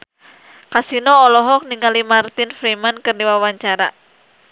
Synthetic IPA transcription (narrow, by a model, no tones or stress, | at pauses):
kasinɔːlɔɦɔk̚niŋalimart̪ɪnfɾimankɨrdiwawaɲt͡ʃaɾa̰